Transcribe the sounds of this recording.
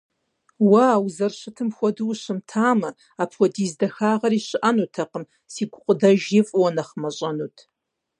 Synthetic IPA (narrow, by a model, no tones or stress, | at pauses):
wawuzɐrʃɨtʰɨmxʷɔduːʃɨmtʰaːmɐ | apʰwʷɔdizdɐxaːʁɐɾiɕɨʔanutʰɐqəm | siɡʷʊqʷʼʊdɐʒɪfʼwɔnɐχmɐɕʼɐnutʼʰ